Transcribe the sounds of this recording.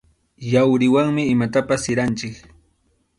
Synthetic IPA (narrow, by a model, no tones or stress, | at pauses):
jawɾɪwaŋmɪːmat̪apasːɪɾant͡ʃɪk